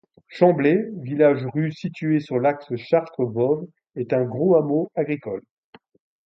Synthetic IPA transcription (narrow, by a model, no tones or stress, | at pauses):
ʃɑ̃blevilaʒʁysit̪yesyʁlaksəʃaʁt̪χəvɔv | ɛt̪ɛ̃ɡʁoamoaɡʁikɔl